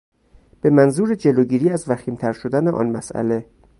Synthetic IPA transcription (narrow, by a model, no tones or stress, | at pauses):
b̥e̞mænzuːɾed͡ʒe̞loːɟiːɾiːæzvæxiːmt̪ʰæɾʃo̞d̪æneʔɒ̰ːnmæsæ̰le̞